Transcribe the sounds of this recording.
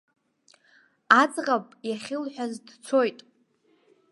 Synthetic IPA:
at͡sʼʁapʼjaχʲɪlħʷᶣazdt͡sʰo̞jtʼ

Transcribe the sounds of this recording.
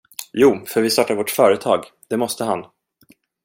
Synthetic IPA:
juːfœɾvɪst̪ɑʈːaɾvɔʈfœːɾət̪ʰɑːɡ | d̪̥ɛmɔst̪əɦan

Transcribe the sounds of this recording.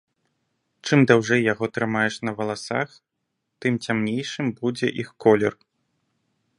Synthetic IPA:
t͡ʂɨmd̪awʐɛjːaɣɔt̪ɾɨmajɛʂnɐvɐlˠasa̰x | t̪ɨmt͡sʲamnʲejʂɨmbud͡zʲɛ̰ʔixkɔlʲɛr

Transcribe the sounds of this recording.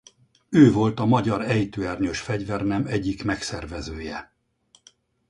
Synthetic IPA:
øːvo̞lt̪ɒmɒɟɒɾɛjt̪øɛrɲøʃfɛɟvɛrnɛmɛɟːikmɛksɛrvɛzøːjɛ

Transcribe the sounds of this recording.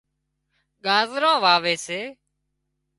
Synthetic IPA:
ɠaːzɾãːʋaːʋeːseː

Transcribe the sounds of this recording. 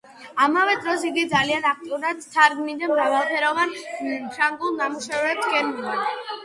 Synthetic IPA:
amavɛd̪ɾɔsiɡid̪zalianak̚ʰt̪ʼiuɾad̪t̪ʰaɾɡmid̪amɾavalˠpʰɛɾɔvanʃaŋɡulˠnamuʃɛvɛpsɡɛnɡad̪

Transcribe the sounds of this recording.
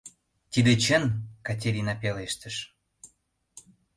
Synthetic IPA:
t̪id̪et͡ɕənkɑt̬ʲeɾʲinɑpeleʃt̪əʃ

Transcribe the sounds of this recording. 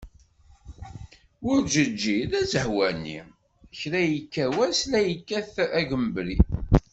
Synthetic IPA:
ʊɾd͡ʒəd͡ʒːiðæzəhwænːḭ | çɾæjəkːæwæslæjəkːæθæɡəmbɾi

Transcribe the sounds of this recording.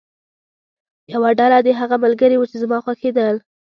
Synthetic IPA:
jawaɖalad̪eɦaɣamalɡəɾiwut͡ʃezamɑxwaxed̪əl

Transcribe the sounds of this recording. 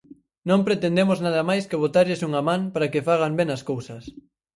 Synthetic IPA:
nõmpɾet̪end̪emoznaðɐmajskeβ̞ot̪aʎɪsuŋamãŋpaɾakefaɣ̞ambenɐskowsɐs

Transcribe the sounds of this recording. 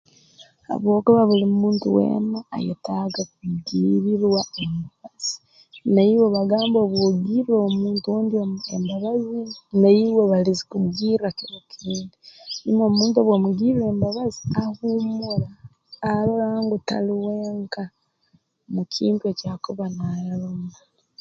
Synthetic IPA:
ha̰βwo̞ːkuβaβuliumuːntṵwḛːma̰ːjḛtaɡakumuɡiːɾiɾwaembaβaz̥i̥ | najiweβaɡaːmboβwoɡiɾomuːntuwoːndiembaβazinajiweβalizi̥kumuɡiːɾiakiɾokiɾiːndinimommuːntuoβwomuɡiːɾiɾe̞ːmbaβaziahumuɾaː | loɾaːŋɡuta̰liweːŋka | mukʰiːntue̞caːkuβanajalomala

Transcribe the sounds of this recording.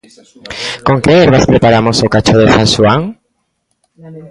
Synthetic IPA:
koŋkeeɾβaspɾepaɾamosokat͡ʃoðesãŋʃuaŋ

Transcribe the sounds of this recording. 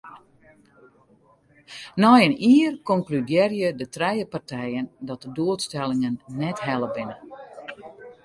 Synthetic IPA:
nɔjəniːərkɔŋklydjɛrjədətrɛjəpartʰɛjəndɔt̚dəduətstɛlˠɪŋənːɛtɦɛləbɪnə

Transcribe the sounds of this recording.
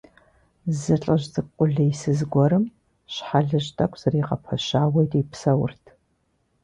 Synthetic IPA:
zɨɬʼɐʒzʼɨkʷʼʊɮɐjsɨzɡʷɔɾɨm | ɕħaɮɨʒtʰʼɐkʷʰʼz̥ɐriqɐ̰pʰɐʃaːwɐjtʼipsɐwʊ̰rtʰ

